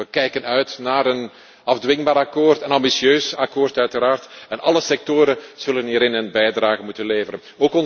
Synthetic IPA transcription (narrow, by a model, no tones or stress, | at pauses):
əkɛjkənœɥtnaːɾən | ɑvdʋɪŋbaːɾɑkoːrtənɑmbisjøːsɑkoːrtœɥtəɾaːrtɛnʔɑləsɛk̚toːɾəz̥ɵləniːɾɪnənbɛjdraːɣəmutənleːvəɾən | oːkɔn